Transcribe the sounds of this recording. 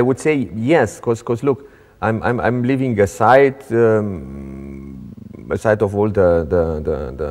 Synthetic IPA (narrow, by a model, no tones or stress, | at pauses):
ajwudsejɛskɔskɔsluk | ʔãjmʔã̰jmã̰j̃mlivĩŋəsaɪt | əsajtɔvɔld̪əd̪əd̪ə̰d̪ə